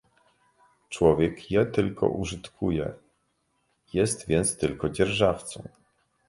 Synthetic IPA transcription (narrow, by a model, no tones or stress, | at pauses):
t͡ʂwɔvʲjɛkjɛt̪ɘlkʰɔ̰ʔuʐɘt̪kʰujɛ̰ | jɛst̪vʲjɛnt̪st̪ɘlkɔd͡ʑɛɾʐaft̪sɔ̰̃w̃